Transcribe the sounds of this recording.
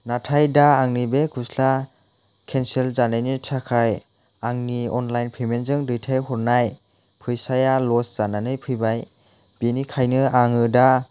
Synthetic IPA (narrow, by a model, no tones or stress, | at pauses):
natʰajdaːŋnibekʰusla | kʰenselzanajnitʰakʰaj | aŋniɔnlajnpʰijmenzɯŋdɯjtʰajɦɔɾnaj | pʰɯjsajalɔsz̥ananɯjpʰɯjbaj | b̥inikʰajnɯaŋɯda